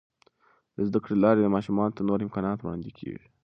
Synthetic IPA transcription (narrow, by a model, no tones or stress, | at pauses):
d̪əzd̪akɽelɑɾed̪əmɑʃumɑnot̪anoɾɪmkɑnɑt̪wɽɑ̰nd̪ekʰḛʐi